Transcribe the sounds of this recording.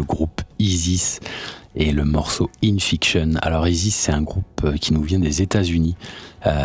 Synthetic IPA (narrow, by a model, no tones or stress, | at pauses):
əɡʁupizis | eləmɔʁsoinfikʃɔna̰lɔʁizisːɛt̪ɛ̃ɡʁupøkʲinuvjɛ̃d̪ezet̪azyniø